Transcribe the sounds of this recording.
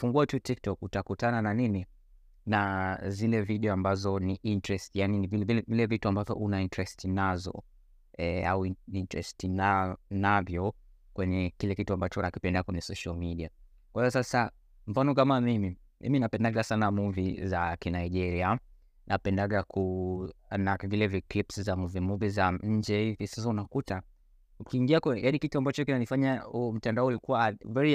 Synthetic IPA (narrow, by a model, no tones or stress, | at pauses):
fuŋɡuatutik̚tɔkutakutanananini | nazilɛviɗɛɔambazɔniʔintɾɛstijaninivilɛviɛvilɛvituambavjɔ̰ʔunaintɛɾɛstʰinazɔ̰ | ɛauiintɾɛ̰stinanavjɔkwɛɲɛkilɛkituambat͡ʃɔnakipɛndakwɛɲɛsɔʃalmiɗia | kwaiɔsasa | m̩fanɔkamamimi | mḭminapɛndaɠasanamuvizakinaiʄɛɾia | nʔa̰pɛndaɠakʰu | navilɛviklipszamuvimuvizaɲ̩d͡ʒɛhivisas̬aunakuta | ukiːŋɡiakɛjaɗikituambat͡ʃɔkinanifaɲaum̩tandaɔulikuwavɛɹi